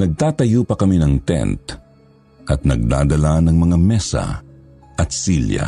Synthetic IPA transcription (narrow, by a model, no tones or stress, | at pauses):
nɐɡ̚t̪aːt̪ɐjuːpɐkɐminɐŋt̪ɛ̰nt̪ | ʔɐt̪̚nɐɡ̚d̪a̰ːd̪ɐlanɐŋmɐŋamɛsɐ̰ | ʔɐt̪siljɐ̰